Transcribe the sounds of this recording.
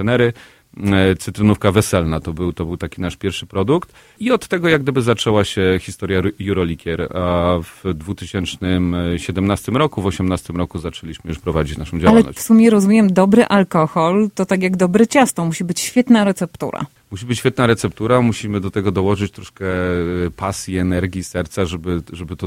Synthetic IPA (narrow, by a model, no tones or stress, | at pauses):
ɛnɛɾɘ | t̪sɘt̪ɾɘnufkavɛsɛlnat̪ɔbɘwt̪ɔbɘwt̪akʲinaʂpʲjɛɾfʂɘpɾɔd̪ukt̪ | iɔt̪ːɛɡɔjaɡd̪ɘbɘzat͡ʂɛwaɕɛxʲi̥st̪ɔɾʲjajuɾɔlʲikʲɛɾavd̪vut̪ɘɕɛnt͡ʂnɘmɕɛd̪ɛmnast̪ɘmɾɔkuvɔɕɛmnast̪ɘmɾɔkuzat͡ʂɛlʲiɕmɘjuʂpɾɔvad͡ʑit͡ɕna̰ʂɔ̃m̃d͡ʑawalɛlnɔ̰ɕfsumʲjɛɾɔzumʲjɛmd̪ɔbɾɘʔalkɔxɔlt̪ɔt̪ak̬ʲjaɡd̪ɔbɾɘt͡ɕast̪ɔmuɕibɘt͡ɕɕfʲjɛt̪naɾɛt̪sɛpt̪ṵɾa̰ | muɕibɘt͡ɕɕfʲɛt̪naɾɛt̪sɛp̚t̪uɾamuɕimɘd̪ɔt̪ɛɡɔd̪ɔwɔʐɘt͡ɕt̪ɾɔʂkɛpasʲjiɛnɛɾɡʲisɛɾt̪saʐɛbɘʐɛbɘt̪ɔ